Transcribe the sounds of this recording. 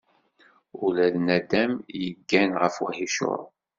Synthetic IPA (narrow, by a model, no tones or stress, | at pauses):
ulæðnæd̪æmjəɡːænʁəfwæ̰hiʃʊ̰ɾˤ